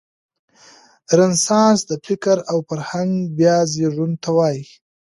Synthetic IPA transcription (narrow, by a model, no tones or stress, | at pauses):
ɾansɑ̃sd̪əfɪkəɾawpaɾhaŋɡbjɑziʐunt̪ʰawɑji